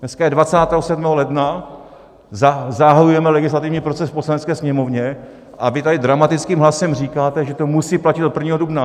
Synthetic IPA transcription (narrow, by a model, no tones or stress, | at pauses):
nɛskajɛdvat͡saːt̪ɛːɦosɛdmɛːɦolɛdna | zazaɦajujɛmɛlɛɡɪs̬lat̪ɪvɲiːpɾo̞t͡sɛsfposlanɛt͡skɛːsɲɛmo̞vɲɛ | ʔavɪt̪adɪdɾamat̪ɪt͡skiːmɦlasɛmriːkaːt̪ɛʒɛt̪o̞musiːplacɪt̪ot̪̚prvɲiːɦo̞dubna